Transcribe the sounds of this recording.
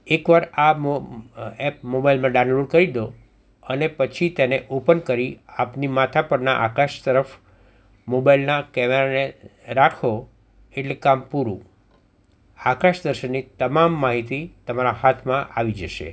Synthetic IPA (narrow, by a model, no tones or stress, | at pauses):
ekʋaɾam | ɛp̚mobailmãɖãnloɖkəɾid̪o | ənepət͡ʃʰit̪eneʔopənkəɾiapnimat̪ʰapəɾnaʔakaʃt̪əɾəf | mobailnakɛmeɾaneɾakʰo | eʈlekampuɾṵ̃ | akaʃd̪əɾʃənːit̪əmamːaɦit̪it̪əmaɾaɦat̪ʰmãʔaʋid͡ʒəʃḛ